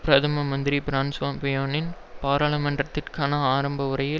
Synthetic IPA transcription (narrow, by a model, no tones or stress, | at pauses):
pɾɐt̪ʰɐmɐmɐnd̪ɪɾipɪɾaːnsʋaːmpɪjoːnɪn | paːɾaːɭɐmɐɳɖrɐt̪ːɪrkaːnɐaːɾɐmbɐɯɾɐjɪ